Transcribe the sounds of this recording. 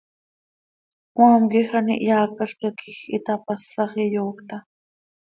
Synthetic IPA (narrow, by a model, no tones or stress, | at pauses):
kwaːmkixanḭʔjaːkaɬkakʰixit̪apasɑχijoːkt̪a